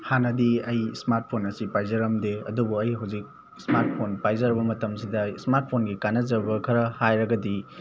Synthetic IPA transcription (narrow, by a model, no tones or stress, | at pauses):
hanɐdiɐjsmaɾt̚pʰonɐsipajzɐɾɐmdeɐdubuɐjɦawzik̚ | smaɾt̚pʰonpajzɐɾbɐmɐtɐmsidɐsmaɾt̚pʰonɡikanɐzɐɾbɐkʰɐɾɐhajɾɐɡɐdi